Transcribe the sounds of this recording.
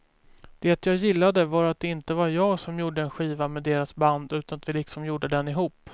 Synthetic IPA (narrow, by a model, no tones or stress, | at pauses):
d̪̥ɛt̪jɑːjɪlːad̪əvaɾat̪̚d̪ɛɪnt̪əvaɾjɑːɡsɔmjuːɖəɛnɧiːvamɛd̪eːɾasband̪ʉ̟ːt̪anat̪vɪlɪksɔmjuːɖəd̪ɛnɪɦuːpː